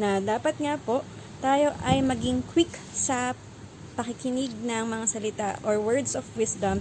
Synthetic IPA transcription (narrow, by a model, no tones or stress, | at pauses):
nɐd̪aːpɐt̪̚ŋapo̞ʔ | t̪aːjo̞ʔɐjmɐɡɪŋkwɪk | sɐ | pɐkɪkɪnɪɡ̚nɐŋmɐŋasɐlɪt̪aʔoɹwɛɹd̪sofwɪsd̪ɐm